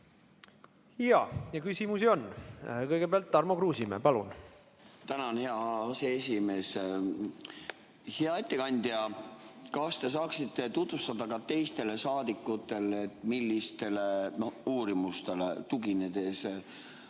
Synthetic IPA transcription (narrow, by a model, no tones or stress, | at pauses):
jɑjɑkysimusio̞nːkɤjɡ̥ebeɑlt̪ːɑrmokɾuːsimḛpɑlun | t̪ænɑnheɑseesʲime̞ːs | heɑet̪ːekɑnʲd̪̥iɑkɑst̪e̞s̬ɑːksit̪ːe̞t̪ut̪vust̪ɑd̪ɑɡɑt̪e̞jst̪e̞le̞sɑːd̪ikːˑut̪ːˑe̞let̪ːmilːist̪e̞leno̞huːɾimust̪e̞le̞̰t̪uɡined̪̥e̞s